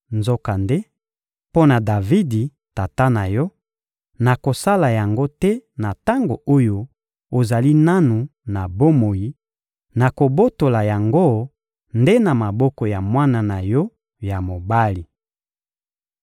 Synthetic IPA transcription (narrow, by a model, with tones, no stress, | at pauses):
nzo˦ka˨nde˦ | po˦na˨da˨vi˦di˨ | ta˨ta˦na˨jɔ˦ | na˨ko˨sa˦la˨ja˨ŋɡo˦tɛ˦na˨ta˦ŋɡo̰˨ʔo˦jo˦ | o˨za˨li˦na˦nu˨na˨bo˦mo˨ji˦ | na˨ko˨bo˦to˨la˨ja˨ŋɡo˦ | nde˦na˨ma˨bɔ˦kɔ˨ja˨mwa˦na˨na˨jɔ˦ | ja˨mo˨ba˦li˨